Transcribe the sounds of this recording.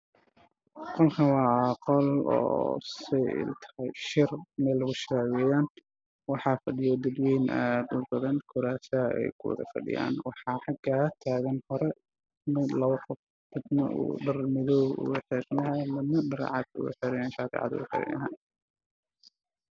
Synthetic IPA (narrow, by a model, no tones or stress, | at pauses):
qɔlkʰɐwɑːqɔlɔ̰ːsɛɪ̰t̪ʰɐ̥hɛjʃɪrmɛlɐɣʊʃɾɛwɛjaːn | wɑħɑːfɐɖɪjɔd̪ɐd̪wɛjnʔaːd̪ʊrbɐðɐnkʰʊɾaːsɐɛ̰jkʰʊwɐ̰ðɐ̰fɐ̰ɖɪ̰ja̰ːnwɑħɑːħɑɡat̪ʰaːɣɐnhɔɾɛ | mɪd̪lɐβɐqɔf | tʰɪd̪nɐ̰ṵɖɐrmɪðɔwʊ̰ʊħɪɾnɐɦɛlɐmɐɖɐɾ̰ʕɑd̪ʊ̰ɣħɪɾɪjaːnʃaːkʰɛ̰ʕɑ̰d̪ʊ̰ʊħɪ̰ɾɪ̰nʔɐ̰ɦa̰n